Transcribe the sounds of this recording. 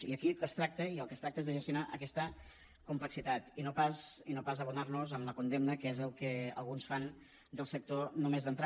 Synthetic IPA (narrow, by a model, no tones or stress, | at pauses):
iəkiəst̪ɾak̚t̪əiəlˠkəst̪ɾak̪̚əezðəʒəst̪junaʔəkɛst̪ə | kumpləksit̪at̪inopasinopazəβunarnuzəmləkund̪emnəkezəlˠkəə̰lˠɣunsfan | d̪əlˠsək̚t̪onomezðənt̪ɾa